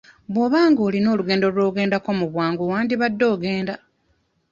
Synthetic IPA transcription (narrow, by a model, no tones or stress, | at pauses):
βwo̞βaːŋɡoːlino̞ːluɡe̞ːndoɾo̞ːɡe̞ːndako̞muβwaːŋɡowaːndiβadːo̞ːɡe̞ːnda